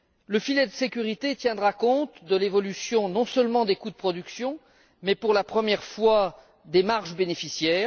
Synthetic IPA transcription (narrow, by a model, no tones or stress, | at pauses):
ləfilɛd̪əsekʲyʁit̪et̪jɛ̃d̪ʁakɔ̃t̪d̪əlevɔlysjɔ̃nɔ̃sœlmɑ̃d̪ekud̪əpχɔd̪yksjɔ̃ | mɛpuʁlapχəmjɛʁfwa | d̪emaʁʒbenefisjɛːʁ